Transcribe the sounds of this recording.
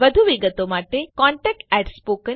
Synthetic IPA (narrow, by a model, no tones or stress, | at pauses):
ʋəd̪ʱuʋiɡət̪omaʈekɔ̃ɳʈɛk̚ʈɛɖspokə